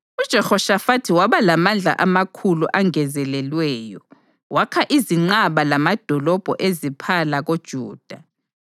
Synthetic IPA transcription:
ud̥ʒ̥ʱɛxɔʃafatʰiwaβalamand͡ɮʱa̰ʔamakʰuluʔaŋɛzɛlɛlwɛːjɔ | wakʰaʔiziŋ͡ǀaβalamad̥ʱɔlɔb̥ʱɔʔezipʰalaɣod̥ʒ̥ʱuːd̥ʱa

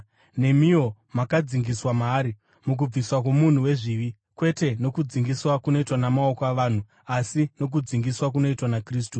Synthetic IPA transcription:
ne̞mio̞ | makad͡ziŋɡiswamaːɾi | muk̬ub͡viswak̬womun̤uwe̞ʐiʋi | kwe̞te̞no̞kud͡ziŋɡiswakuno̞itwanamao̞koaʋan̤u | asino̞k̬ud͡ziŋɡiswakuno̞itwanakriːs̬tu

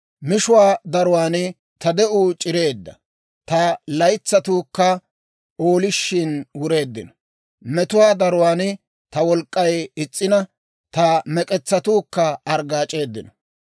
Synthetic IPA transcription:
mɪʃʊwaːd̪ɐɾʊwaːn | t̪ɐd̪ɛʔuːt͡ʃʼɪɾe̞ːd̪ːɐ̰ | t̪ɐlɐjt͡sːɐt̪uːkːɐ | o̞ːlɪʃːɪnwʊɾe̞ːd̪ːɪ̰nɔ | mɛt̪ʊwaːd̪ɐɾʊwaːn | t̪ɐwɔlkʼːɐjɪt͡sʼːɪnɐ | t̪ɐmɛkʼɛt͡sːɐt̪uːkːɐːɐɾɡaːt͡ʃʼe̞ːd̪ːɪnɔ

